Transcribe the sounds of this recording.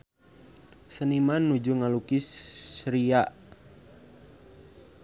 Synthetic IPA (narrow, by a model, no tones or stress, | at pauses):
sənimanːud͡ʒuŋalukisːɾiaʔ